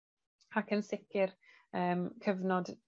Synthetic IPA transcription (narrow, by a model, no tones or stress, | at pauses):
akʰənsɪkʰɪr | əːmkʰəvnɔd